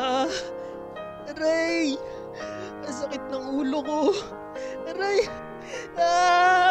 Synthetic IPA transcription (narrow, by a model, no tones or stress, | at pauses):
ɾɛj | pɐs̬ɐkɪt̪̚nɐŋuːloko | ɾɛj | a